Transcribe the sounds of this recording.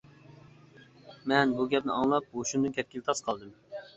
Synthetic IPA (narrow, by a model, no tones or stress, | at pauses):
mɛnbuɡʲɛp̚nɪɑŋlˠɑp̚uʃund̪ɨnkʲʰɛt̪̚kʲilt̪ʰɑsqʰɑlˠd̪ɨm